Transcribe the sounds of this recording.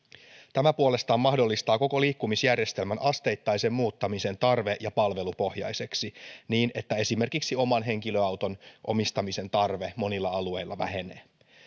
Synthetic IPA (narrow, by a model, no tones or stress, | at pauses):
t̪æmæpuole̞st̪ɑːmmɑhdo̞lːist̪ɑːko̞ko̞liːkːumisjærje̞st̪e̞lmænʔɑst̪e̞jt̪ːɑjse̞mːuːt̪ːɑmise̞nt̪ɑrʋe̞ʔjɑpɑlʋe̞lupo̞hjɑ̰jse̞ksiniːne̞t̪ːæe̞sime̞rkiksio̞mɑnɦe̞ŋkilø̞ɑwt̪o̞nʔo̞̰mist̪ɑmise̞nt̪ɑrʋe̞mo̞nilːɑɑlue̞jlːɑʋæ̰ɦe̞nḛː